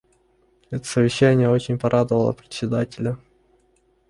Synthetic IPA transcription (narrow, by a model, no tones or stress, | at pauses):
ɛt̪ə̥səvʲɪɕːænʲɪjəo̞t͡ɕɪnʲpɐɾʔad̪əvəlˠə̰pɾʲɪ̥sʲːɪd̪atʲɪlʲə